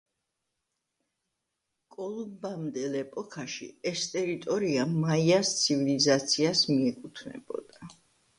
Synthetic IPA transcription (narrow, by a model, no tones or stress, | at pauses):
kʼɔlˠumbamd̪ɛlɛpʼɔkʰaʃḭɛst̪ʼɛɾit̪ʼɔɾiamaiast̪sʰivilizat̪sʰiasmiɛkʼut̪ʰnɛ̰b̥ɔ̰d̪̥a